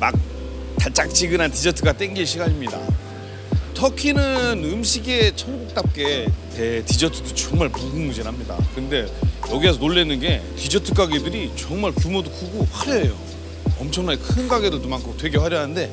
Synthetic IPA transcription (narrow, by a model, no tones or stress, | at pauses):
mak̚ | tat͡ɕ͈ak̚t͡ɕʰiɡɯnantid͡ʑʌtʰɯɡat͈eŋɡiɭɕʰiɡaɲimɲida̰ | tʰʌkʰinɯnɯmɕʰiɡe̞t͡ɕʰʌɭɡuk̚t͈ap̚k͈e̞te̞tid͡ʑʌtʰɯdot͡ɕʌŋmaɭpoŋɡuŋmud͡ʑenɦamɲida̰kɯnde̞jʌɡies̬ʰʌnoɭːenːɯnɡe̞tid͡ʑʌtʰɯk͈aɡidɯɾit͡ɕʌŋmaɭkumodokʰuɡoɸwaɾejo̰ | ʌmt͡ɕʰʌŋnankʰɯnɡaɡe̞dotomankʰotwe̞ɡe̞waɾjʌnaɯnde̞